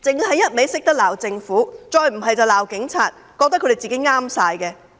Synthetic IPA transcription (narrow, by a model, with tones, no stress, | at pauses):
t͡sɪ˨ŋɦɐ˨˥jɐ˥t̚me˨˧˥jsɪ˥k̚t̪ɐ˥k̚laː˨˩wt͡sɪ˧ŋfuː˨˥t͡sɔː˧jm̩˨˩ɦɐ˨jt͡sɐ˨wlaː˨˩wkɪ˨˥ŋt͡sʰaː˨t̚ | kɔː˧k̪̚ɐ˥kʰːde˨jt͡si˨ke˨˥jŋaː˥msaː˧jkɛ˧